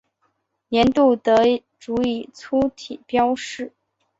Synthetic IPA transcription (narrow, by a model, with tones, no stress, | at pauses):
jjɛ˧˥nt̪u˥˩t̪ɤ˧˥ | ʈ͡ʂu˧˥i˥˨˩t͡sʰu˥t̪ʰi˨˩pjɑ˥ʊʂɻ̩˥˩